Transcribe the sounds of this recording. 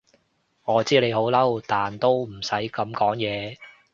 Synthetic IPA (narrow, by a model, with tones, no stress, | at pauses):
ŋɔː˨˧t͡siː˥le˨˧jho˨˥wlɐ˥wt̪aː˨nt̪o˥wm̩˨˩sɐ˨˥jkɐ˨˧˥mkɔː˨˥ŋjɛː˨˧